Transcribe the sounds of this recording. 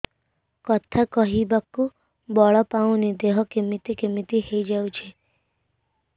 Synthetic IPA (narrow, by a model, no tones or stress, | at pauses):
kɔt̪ʰakɔɦibaku | bɔɭɔpaũnid̪eɦɔkemit̪ikemit̪ihejd͡ʒawt͡ʃʰi